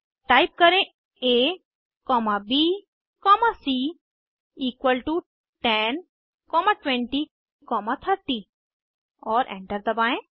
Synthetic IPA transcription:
ʈaːjp̚kɐɾẽ | e | kɔːmabi | kɔːmasi | iːkwəlʈu | ʈɛn | kɔːmãʈwɛ̃ɳʈi | kɔːmat̪ʰɐɾt̪i | ɔːɾʔɛ̰̃ɳʈəɾd̪əbaːẽ

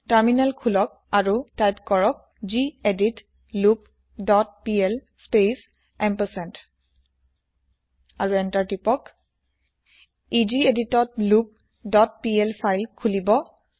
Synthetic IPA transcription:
taɹminalkʰulɔk̚aɹutajpkɔɹɔk̚ | d͡ʒiedit | lup | dɔt̚piɛl | spes | ɛmpəsɛnt | aɹuɛntaɹtipɔk | id͡ʒieditɔt̚lup̚ | dɔt̚pielpʰajlkʰulibɔ

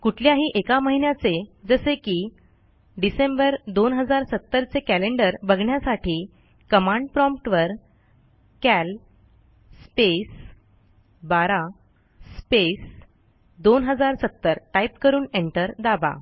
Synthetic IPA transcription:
kuʈʰljaɦiːʔekaməɦinjat͡sed͡zəsekiː | ɖisembəɾd̪onɦəd͡zaɾsət̪ːəɾt͡sekæleɳɖəɾbəɡɳjasaʈʰiː | kəmãɳɖpɾɔ̃mpʈʋəɾ | kæl | spes | baɾa | spes | d̪onɦəd͡zaɾsət̪ːəɾʈaipkəɾuːneɳʈəɾd̪aba̰

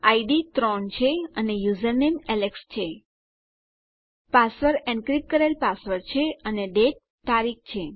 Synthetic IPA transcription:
aiɖit̪ɾɔnt͡ʃʰeənejuzəɾnemɛlekst͡ʃʰe | pasʋəɾɛ̃ɳɖkɾik̚kəɾelpasʋəɾt͡ʃʰeəneɖe | t̪aɾik̚ʰt͡ʃʰe

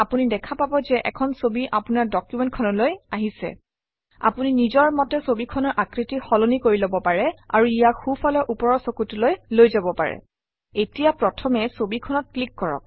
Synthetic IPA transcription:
apunidɛkʰapabɔzɛʔɛ̰kʰɔnsobiʔapunaɹdɔkjumɛnt̚kʰɔnɔlojaɦisɛ̰ | a̰puninizɔɹmɔtɛsobikʰɔnɔɹʔakɹitixɔlonikoɹilɔbɔpaɹɛa̰ɹuijaxufʰɔlɔʔupɔɹɔsokutulojlojzabɔpa̰ɹɛ̰ | etijapɹɔtʰɔmɛsobikʰɔnɔt̚klikːɔɹɔ̰k̚

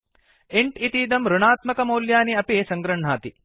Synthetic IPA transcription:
eɳʈit̪iːd̪ɐmɾuɳaːt̪mɐkɐmoːljaːniɐpisɐŋɡɾɐɳ̤aːt̪i

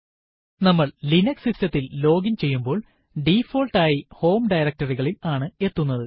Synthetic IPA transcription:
nɐmːɐɭlinɐksisjɐt̪ːillo̞ːɡint͡ɕe̞jːumbo̞ːɭ | ɖifo̞ːlʈaːjiho̞ːmɖɐjɾɐk̚tɐriɣɐɭilaːɳɨe̞t̪ːunːɐðɨ

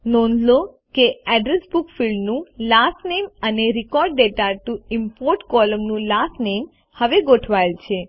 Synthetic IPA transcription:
nɔ̃nd̪lo | keɛɖɾesbukfilɖnũlasʈneməneɾikɔɾɖːeʈaʈuimpoɾʈkɔləmnũlasnem | həʋeɡoʈʰʋajlt͡ʃʰe

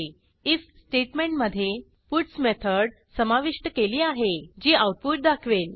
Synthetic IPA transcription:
issʈeʈmeɳʈməd̪ʱːje | puʈsmet̪ʰəɽ | səmaʋiʂʈəkeliːaɦed͡ʑiːawʈ̚puʈ̚d̪akʰʋel

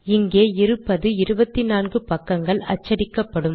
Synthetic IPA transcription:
ɪŋɡeːɪɾɯpːɐðɯɪɾɯbɐt̪ːɪnaːnɡɯpɐkːɐŋɡɐɭɐ̰t͡ʃːɐɽɪkːɐpːɐɽɯm

